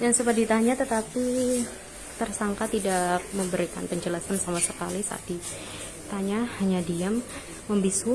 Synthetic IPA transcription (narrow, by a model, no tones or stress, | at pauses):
dansubadit̪aɲat̪ət̪api | t̪ərsaŋkat̪idak̚məmbəɾikanpəɲd͡ʒəlasansamasəkalisa̰ːd̥i | t̪aɲahaɲadiamː | əmbisu